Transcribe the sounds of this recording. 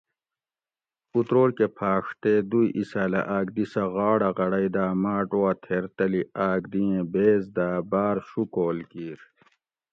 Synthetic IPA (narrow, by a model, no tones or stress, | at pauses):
ut̪ɾoːɾkepʰaːʂt̪ed̪ujʔisaːlɐ̰ʔaːk̚d̪isɐɣaːɽɐʁɐɽɐid̪aːmaːʈoɐt̪ʰeːɾt̪ɐliaːɡd̪iẽbeːzd̪aːbaːɾɕukoːlkiːɾ